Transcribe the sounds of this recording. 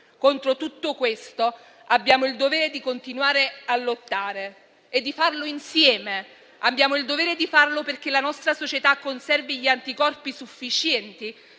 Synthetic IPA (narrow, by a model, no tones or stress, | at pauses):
kont̪ɾot̪ut̪ːokwest̪o | abːjaːmoild̪oveːɾed̪ikont̪inwaːɾealːot̪ːaːɾeː | d̪ːifarloinsjɛːme | abːjaːmoild̪ovɛːɾed̪ifarloperk̟elanɔst̪ɾasot͡ʃet̪akːonsɛrviʎiant̪ikɔrpisufːit͡ʃjɛnt̪i